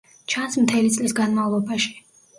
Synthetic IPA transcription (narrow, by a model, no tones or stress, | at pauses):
t͡ʃʰansmt̪ʰɛlit̪sʼlisɡanmavlˠɔbaʃi̥